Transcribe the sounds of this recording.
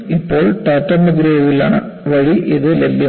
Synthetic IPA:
ipːo̞ːɭʈaːʈːɐrnɐɡɾeːʋilːaːɳɨ̰ | ʋɐɻiʔiðɨlebʱjɐ

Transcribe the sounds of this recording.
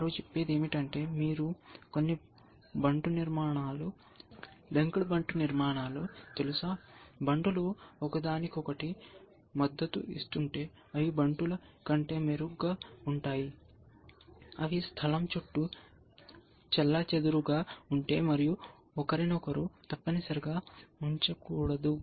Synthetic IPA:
ɾuːt͡ʃepːe̞ːd̪e̞ːmiʈɐɳʈe̞ːmiːɾuko̞nːi | bɐɳʈuniɾmaːɳaːlu | leŋkɐɽbɐɳʈuniɾmaːɳaːlut̪elusaːbɐɳɖuluɔkɐd̪aːnikiɔkɐʈi | mɐd̪ːɐt̪ṵḭst̪uɳʈe̞ː | ɐʋibɐɳʈulɐkɐɳʈe̞ːmeɾuɡaːuɳʈaːji | ɐʋist̪ʰɐlɐmt͡ʃuʈːu | t͡ʃɛlːɐt͡ʃed̪uɾuɡaːuɳʈe̞ːmɐɾiju | ɔkɐɾinɔkɐɾut̪ɐpːɐnisɐɾiɡaːuɲt͡ʃɐkuːɽɐd̪u

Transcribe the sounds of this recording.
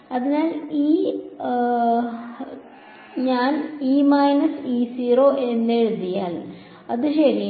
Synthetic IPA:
ɐðinaːliː | ɲaːniːmɐjnɐsiːsiːro̞ːʔenːeɻuðijaːl | ɐðɨɕeːɾi

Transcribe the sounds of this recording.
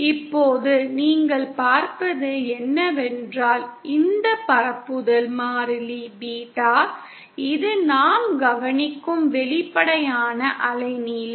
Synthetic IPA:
ɪpːoːðɯniːŋɡɐɭpaːɾpɐðɯɛnːɐʋɛndraːlɪnd̪ɐpːɐɾɐpːɯðɐlmaːɾɪlibiːʈːaː | ɪðɯnaːmɡɐʋɐnɪkːɯmʋɛɭɪpːɐɽɐjaːnɐʔɐlɐɪniːl

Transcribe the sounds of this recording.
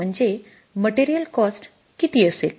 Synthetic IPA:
əɳd͡ʑe | məʈeɾijəlkɔsʈ | kit̪iːəse

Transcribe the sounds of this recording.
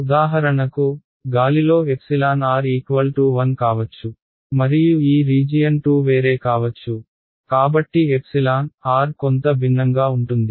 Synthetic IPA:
ud̪aːɦɐɾɐɳɐku | ɡaːlilo̞ːeksilaːnaːɾiːkʋɐlʈuːʋɐnkaːʋɐt͡ʃːu | mɐɾijuiːɾiːd͡ʒijɐnʈuːʋeːɾe̞ːkaːʋɐt͡ʃːu | kaːbɐʈːiʋepsilaːnɖaːɾkont̪ɐbʱinːɐŋɡaːuɳʈund̪i

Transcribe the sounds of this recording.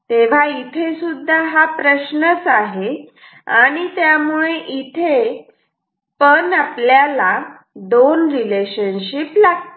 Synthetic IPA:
t̪eʋ̤ait̪ʰesud̪ʱːaɦapɾəɕnət͡saɦe | aɽ̃it̪jamuɭeʔit̪ʰe | pənapljala | d̪onɾileɕənɕiplaɡt

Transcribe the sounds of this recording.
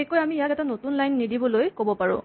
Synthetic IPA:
ekojamiijatɛtanotunlajnːidibɔlojkobɔpaɹʊ̰̃

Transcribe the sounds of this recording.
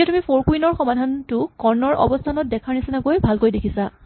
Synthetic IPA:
atumipʰoɹkuinɔɹxɔmadʱantʊkɔɹnɔɹʔɔ̰bɔstʰanɔt̚dɛkʰaɹnisɛnakojbʱalkojdekʰisa

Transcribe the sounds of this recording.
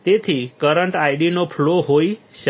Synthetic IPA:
t̪et̪ʰikəɾəɳʈajɖinopʰloɦoiʃ

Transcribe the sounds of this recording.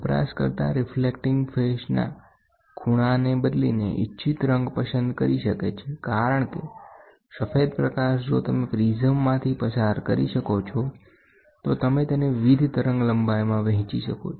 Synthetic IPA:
upɾa̰skə̰ɾt̪a̰ɾɪflekʈɪŋɡfʰeʃna̰ | kʰuɽ̃anebəd̪lḭnḛʔḭtːʃʰit̪ɾəŋɡpəsənd̪kəɾiʃəket͡ʃʰekaɾəɳke | səfed̪̚pɾəkaɾd͡ʒot̪əmepɾizəmːãt̪ʰipəsaɾkəɾiʃəkot͡ʃʰɔ | t̪ot̪əmet̪eneʋid̪ʱt̪əɾəŋɡləmbajmãʋɛɦt͡ʃiʃəko̰t͡ʃʰ

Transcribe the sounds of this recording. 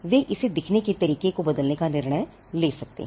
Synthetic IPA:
ʋeːʔɪsed̪ɪkʰneket̪ɐɾiːkekobɐd̪əlnekanɪɾɽəj | leːsɐk̚t̪ḛɦ

